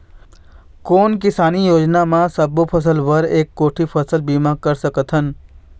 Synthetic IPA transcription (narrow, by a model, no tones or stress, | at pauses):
koːnkɪsaːnijoːd͡ʒnamãsəbopʰəs̬əlʋəɾeːkːoːʈʰipʰəsəlbiːmaɡ̚kəɾsəkət̪ɦən